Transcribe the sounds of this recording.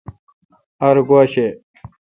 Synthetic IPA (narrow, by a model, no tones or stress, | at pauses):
ɐɾɡwaːɕe